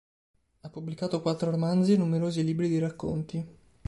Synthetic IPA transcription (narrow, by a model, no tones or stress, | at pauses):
apːubːlikaːt̪okwat̪ːɾoɾomand̪zinːumeɾoːziliːbɾid̪iɾakːo̰nt̪i